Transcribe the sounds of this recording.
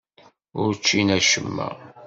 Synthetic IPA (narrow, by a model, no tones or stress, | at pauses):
ʊɾt͡ʃːinæʃəmːæ̰